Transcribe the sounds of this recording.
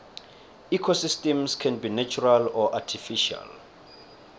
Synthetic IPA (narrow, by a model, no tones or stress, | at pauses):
ikʰosistɛ̃mskʰɛ̃nbinat͡ʃʰuɹalɔʔatʰifiʃa̰l